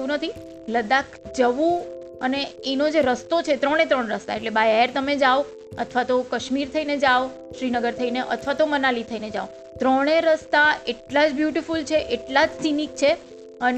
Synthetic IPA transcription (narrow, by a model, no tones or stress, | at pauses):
ũnət̪ʰi | ləd̪akd͡ʒəʋũ | əneenod͡ʒeɾəst̪ot͡ʃʰet̪ɾəɽ̃et̪ɾəɳɾəst̪a̰eʈlebajeɾt̪əmed͡ʒao | ət̪ʰʋat̪okəʃmiɾt̪ʰəined͡ʒao | ʃɾinəɡəɾt̪ʰəineʔə̰t̪ʰʋat̪omənalit̪ʰəined͡ʒa̰o | t̪ɾəɽ̃eɾəst̪aeʈlad͡ʒbjuʈifult͡ʃʰeʔeʈlad͡ʒsinik̚t͡ʃʰe | ən